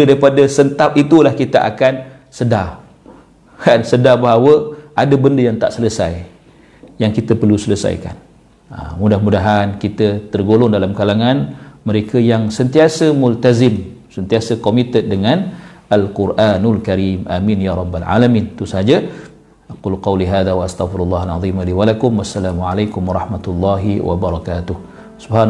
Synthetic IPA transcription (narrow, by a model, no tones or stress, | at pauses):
ədaɾipadəsənt̪ap̚it̪ulahkit̪aʔa̰kan | səda | kansədabaɦawəʔadəbəndəjaŋt̪a̰ʔsələsa̰j | jaŋkit̪əpərlusələsa̰jka̰n | ə̰mudahmudaɦankit̪ət̪ərɡolɔŋdalamkalaŋanməɾekəjaŋsənt̪iasəmʊlt̪azɪm | sənt̪iasəkomit̪ət̪̚dəŋãnalkuɾʔanalkaɾimʔaminjaɾˤɑbːalʕa̰lamĩnt̪usəɦad͡ʒa | ʔaqulqɑwliɦaːðawaʔast̪aɣfiɾulːɑɦalɑ̰ðˤimaliwalakʊmwasːalaːmuʕalajkʊmwɑɾˤɑħmat̪ulːɑɦiwa̰bəɾˤɑkaːt̪ʊh | subhan